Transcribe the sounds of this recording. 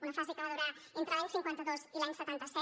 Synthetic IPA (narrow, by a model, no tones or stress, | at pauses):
unəfazekəβaðuɾaent̪ɾəlaɲsiŋkwent̪əðozilaɲsət̪ant̪əsɛ